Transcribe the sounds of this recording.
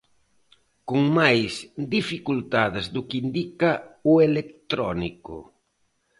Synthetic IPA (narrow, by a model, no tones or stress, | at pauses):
kʊŋmajsd̪ifikult̪aðɪzðʊkind̪ikaʊelekt̪ɾɔnikʊ̰